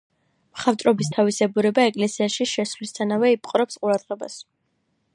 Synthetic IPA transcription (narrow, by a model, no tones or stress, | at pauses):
mχat̪ʼɾɔbist̪ʰavisɛbuɾɛbaɛkʼlɛsiaʃiʃɛsvlist̪ʰanavɛipʼqʼɾɔpsqʼuɾad̪ʁɛba̰s